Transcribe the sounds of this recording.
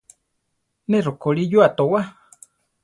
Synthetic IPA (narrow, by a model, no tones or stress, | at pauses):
nerokoɺijuat̪owa